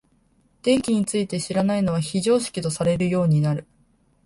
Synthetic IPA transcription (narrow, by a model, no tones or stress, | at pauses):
d̪̥ẽ̞ŋkʲiɲ̟it͡sɨit̪e̞ɕiɾanaino̞β̞açiʑo̞ːɕi̥kʲit̪o̞saɾe̞ɾɯ̟jo̞ːɲ̟inaɾɯ̟